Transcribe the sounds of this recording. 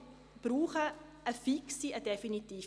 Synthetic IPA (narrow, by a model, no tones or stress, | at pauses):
b̥ruːχəʔəfiksiədɛfinitiː